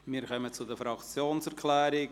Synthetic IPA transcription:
miːɾkʰœmət͡sʊdəfɾɑkt͡sjoːnsɛɾkʰlɛːɾɪ

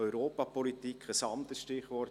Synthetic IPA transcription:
œʏɾoːpɑpɔlit̪ikχəsɑmt̪əsʃtɪχʋɔr

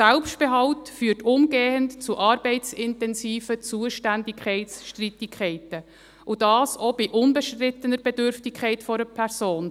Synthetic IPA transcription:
sɛlpʃtb̥eɦɑʊtfyːtʊmɡeːəntt͡suʔɑːɾb̥ɛɪtt͡sɪntɛnsiːfət͡suəʃtændɪkʰχɛɪsʃtritɪkʰχɛɪtə | ʔud̥ɑːsɔbiʔʊnbəʃtrɪtːənəɾb̥ɛdøɾftɪkʰχɛɪtfɔɾəpʰɛɾsoːn

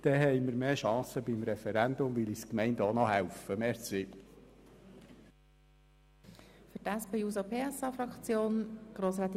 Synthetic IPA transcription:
d̪̥ɛɦɛjməɾmeːʃɑ̃ːsəbimɾɛfɛɾænd̪ʊmʋɪliskmɛɪndɔnɔɦæwfəmɛɾt͡sɪ | fʏɾtæspejuːsopʰeːɛsɑːfɾɑkt͡sjoːnɡ̥ɾoːsɾɛːt̪

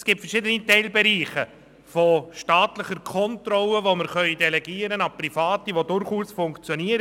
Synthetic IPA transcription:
sɡ̥iːp̚tfəɾʃɪdənitɛɪlbɛɾiːχə | foʃtaːtləχəɾkʰɔntrɔləvoməɾχœʏidɛlɛɡiːəɾənɑprifɑːtiʋodʊɾχuːsfʊŋkt͡sjɔniːəɾ

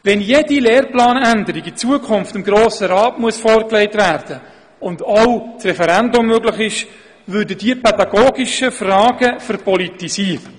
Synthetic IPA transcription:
vɛnjedileːrplɑːnændəɾiɡit͡suəkʰχʊnftɪmɡɾoːsəɾɑːtmuəsfɔːɾkleɪtvæːrd̥ə | ʊndawt͡srɛfɛɾɛndʊmːøɡlɪχɪʃ | vʏɾdəd̥iəpʰɛdɑɡ̥oːɡɪʃəfrɑːɡ̥əfɛɾpɔlitisiːɾə

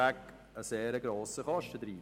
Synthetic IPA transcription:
æk | əseːɾəɡɾoːsəχɑʃtəd̪ɾiː

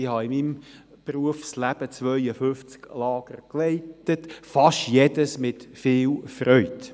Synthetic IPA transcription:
ɪhɑɪmim | pruəfslæb̥ət͡sʋœʏəfʏft͡sklɑːɡ̥ərkleɪtətfɑʃtjɛdəsmɪtfɪːlfrœʏt

